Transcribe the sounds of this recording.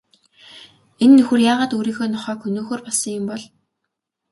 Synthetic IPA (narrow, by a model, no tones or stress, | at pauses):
enːɵxɘ̆rjaːʁaːt̪uːɾiːxoːnɔχœːkʰɵnoːxoːrpɔɮsə̆ŋjʊ̆mpɔɮ